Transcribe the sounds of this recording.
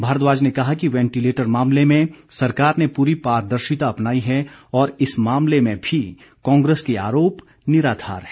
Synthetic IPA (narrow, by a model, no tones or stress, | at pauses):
bʱaːɾət̪̬ʋaːd͡ʒnekɐɦakiʋɛ̃ːɳʈileːʈəɾmãːmlemẽsɐɾkaːɾnepuːɾipaːɾd̪ɐɾʃɪt̪aɐpnaːiɦɛɔːɾɪsmãːmlemẽbʱi | kɔ̃ːŋɡɾeːskea̰ːɾoːp | nɪɾaːd̪ʱa̰ːɾɦɛː